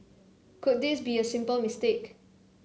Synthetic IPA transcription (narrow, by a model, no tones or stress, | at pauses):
kʊt̚disbiəsɪ̃mpəlmɪstek